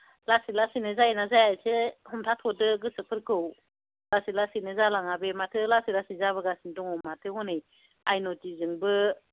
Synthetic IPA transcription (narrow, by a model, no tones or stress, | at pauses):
lasilasinɯzajnazajajsehɔmtʰatʰɔdɯɡɯsɯpʰɯɾkʰɯw | lasilasinɯzalaŋabematʰɯlasilasizaβɯɡasindɔŋɔmatʰɯhɔnɯj | ajnɔtizɯŋbɯ